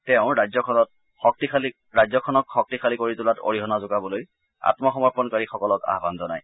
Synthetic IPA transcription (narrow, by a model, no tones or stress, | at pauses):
tɛʊ̃ɹazɔkʰɔnɔt̚ | xɔk̚tikʰali | ɹazɔkʰɔnɔkxɔk̚tikʰalikoɹitʊlato̰ɹiɦɔnazʊkabɔloj | a̰tmɔxɔmɔɹpɔnkaɹixɔkɔlɔka̰ɦbanzɔnaj